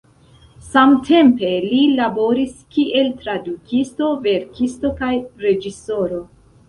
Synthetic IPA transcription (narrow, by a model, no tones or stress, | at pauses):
samtʰe̞mpe̞lilabo̞ɾiskiʔe̞ltɾadukʰisto̞ve̞ɾkisto̞kajɾe̞d͡ʒiso̞ɾo̞